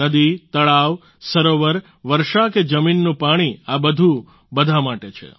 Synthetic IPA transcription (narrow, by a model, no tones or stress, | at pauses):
əd̪it̪əɭaʋ | səɾoʋəɾ | ʋəɾʃaked͡ʒəminːũpaɽ̃iabəd̪ʱũ | bəd̪ʱamaʈet͡ʃʰḛ